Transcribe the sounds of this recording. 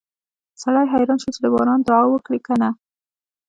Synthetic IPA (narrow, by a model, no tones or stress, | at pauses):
saɽɑjɦajɾɑnʃut͡ʃɪd̪əbɑɾɑnd̪ʊɑwəkɽikana